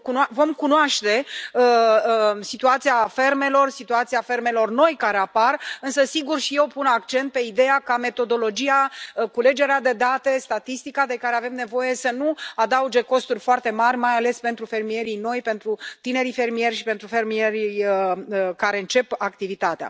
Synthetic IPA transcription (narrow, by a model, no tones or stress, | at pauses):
kunvo̞mkunoaʃt̪e̞ə | sit̪uat̪siafe̞rme̞lo̞rsit̪uat̪siafe̞rme̞lo̞rno̞jkaɾe̞aparɨnsəsiɡurʃije̞wpunakt͡ʃe̞nt̪̚pe̞id̪e̞jakame̞t̪o̞d̪o̞lo̞d͡ʒijakule̞d͡ʒe̞ɾead̪e̞d̪at̪e̞st̪at̪ist̪ikad̪e̞kaɾe̞ave̞mne̞vo̞je̞sənuad̪aud͡ʒe̞ko̞st̪urʲfoart̪e̞marʲmajale̞spe̞nt̪ɾufe̞rmije̞ɾijno̞jpe̞nt̪ɾut̪ine̞ɾife̞rmije̞rʲʃipe̞nt̪ɾufe̞rmieɾʲijəkaɾe̞ɨnt͡ʃe̞pakt̪ivit̪at̪ea̰